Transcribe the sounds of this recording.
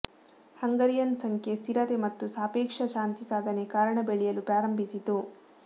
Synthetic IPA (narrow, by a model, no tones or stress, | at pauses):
hɐŋɡɐɾijɐnsɐŋkʰjest̪iɾɐt̪emɐt̪ːusaːpeːkʂɐʃaːnt̪isaːd̪ʱɐnekaːɾɐɳɐbeɭijɐlupɾaːɾɐmbʱisit̪u